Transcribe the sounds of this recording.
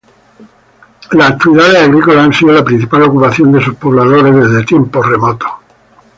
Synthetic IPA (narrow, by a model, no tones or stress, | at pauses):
laːk̚t̪iβiðaðeaɣɾikolaensiolapɾin̟θipalo̞kupaθjo̞nd̪e̞suspo̞β̞laðo̞ɾezðe̞zðet̪je̞mpore̞mot̪o̥